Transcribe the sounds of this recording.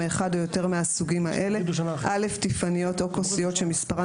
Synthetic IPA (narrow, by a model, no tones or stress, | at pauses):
eχadojo̞te̞ʁmeasuɡimaʔe̞le̞ʔale̞ftifanijo̞t̪okosijo̞t̪ʃemispaʁa